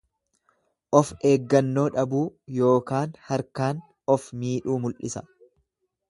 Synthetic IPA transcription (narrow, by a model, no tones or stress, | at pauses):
ʔɔfe̞ːɡːɐnːo̞ːᶑɐbuːjo̞ːkaːnhɐɾkaːn | ɔfmiːᶑuːmʊlʔɪsɐ